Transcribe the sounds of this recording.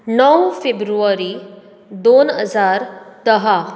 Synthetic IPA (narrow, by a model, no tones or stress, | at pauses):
nəwfebɾuaɾi | d̪onɦəd͡zaːɾd̪əɦa